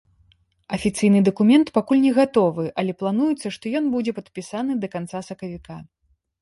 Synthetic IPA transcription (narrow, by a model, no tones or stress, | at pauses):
ɐfʲit̪sɨjnɨd̪ɐkumʲɛnt̪pakulʲnʲɛɣat̪ɔvɨʔɐlʲɛplˠan̪ujut̪sːɐʂt̪ɔjɔnbud͡zʲɛpɐt̪pʲisanɨd̪ɐkant̪sasɐkɐvʲika